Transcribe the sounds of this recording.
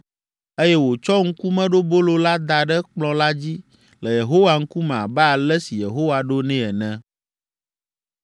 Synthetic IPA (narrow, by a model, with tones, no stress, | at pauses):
e˦jɛ˦wo˨t͡ʃɔ˦ŋ̩˦ku˦mɛ̃˦ɖo˦bo˦lo˦la˦d̪a˨ɖɛ˦k͡plɔ̃˨la˦d͡ʑi˦ | lə˨je˨ɦo˦wa˨ŋ̩˦ku˦mɛ̃˨a˨bɛ˦a˨lɛ˦si˨je˨ɦo˦wa˨ɖo˦nɛ̃˦ɛ˨nɛ̃˦